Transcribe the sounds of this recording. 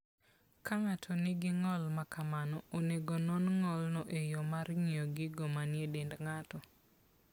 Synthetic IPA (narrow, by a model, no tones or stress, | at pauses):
kaŋatʰɔnɪɡɪŋɔlmakamanɔoneɡonɔnŋɔlnɔʔejomarŋioɡɪɡɔmanjedendŋatɔ